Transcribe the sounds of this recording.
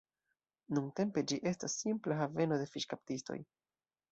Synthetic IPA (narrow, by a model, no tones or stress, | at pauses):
nunte̞mpe̞d͡ʒiʔe̞stasːimplaɦave̞no̞de̞fiʃkap̚tisto̞̰j